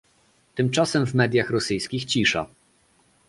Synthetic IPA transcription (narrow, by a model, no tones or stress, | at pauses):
t̪ɘmt͡ʂasɛmvmɛd̪ʲjaxɾɔsɘjskʲixt͡ɕiʂa̰